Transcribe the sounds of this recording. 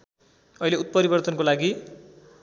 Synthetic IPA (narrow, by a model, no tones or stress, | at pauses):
ʌileut̪̚pʌɾibʌrt̪ʌnkolaɡi